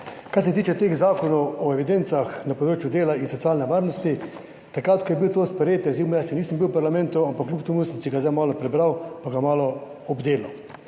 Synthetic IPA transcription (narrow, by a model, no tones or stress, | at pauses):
kaɾs̬ɛt̪iːt͡ʃɛt̪eːɣzaːkɔnɔwɔɛʋid̪ent̪saxnapɔd̪ɾoːt͡ʃjud̪eːlainsɔt̪jaːlnɛʋaːɾnɔst̪i | t̪akɾat̪kɔjɛbiwt̪ospɛɾjeːt̪ɛzimɔjat͡ʃɛniːsəmbiwpaɾlamɛ̃nt̪uampakːljupt̪ɐmusənsiɡazd̪ajmaːlɔpɾɛbɾawpaɡamaːlɔ | ɔbd̪eːlɐw